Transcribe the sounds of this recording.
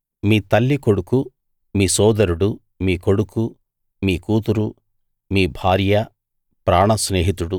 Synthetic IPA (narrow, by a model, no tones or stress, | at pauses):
miːt̪ɐlːiko̞ɽuku | miːsɔːd̪ɐɾuɽu | miːko̞ɽuku | miːkuːt̪uɾu | miːbʱaːɾjɐ | pɾaːɳɐsneːɦit̪uɽu